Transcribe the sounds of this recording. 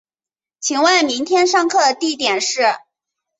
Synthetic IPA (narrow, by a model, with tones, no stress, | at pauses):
t͡ɕʰi˧˩ŋwa˥˩ɪmi˧˥ŋt̪ʰjɛ˥nʂɑ˥˧ŋkʰɤ˥˧d̪ə˩t̪i˥˩t̪jɛ˨˩nʂɻ̩˥˩